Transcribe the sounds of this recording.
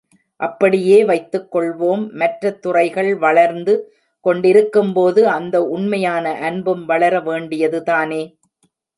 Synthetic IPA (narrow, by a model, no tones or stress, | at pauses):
ʔɐpːɐɽɪjeːʋɐɪt̪ːɯkːɔɭʋoːmːɐʈrɐt̪ːʊrɐɪɣɐɭʋɐɭɐɾnd̪ɯ | kɔɳɖɪɾɯkːɯmpoːðɯɐnd̪ɐʊɳmɐjaːnɐʔɐnbɯmʋɐɭɐɾɐʋeːɳɖɪjɐðɯðaːneː